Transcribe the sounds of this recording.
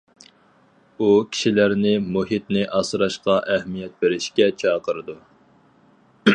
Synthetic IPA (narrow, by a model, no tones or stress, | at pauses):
ukʲʰi̥ʃilæɾnɪmuɦit̪̚nɪʔɑsɾɑʃqɑʔɛhmijɛt̪̚beɾɪʃkʲɛt͡ʃʰɑːqəɾɨd̪u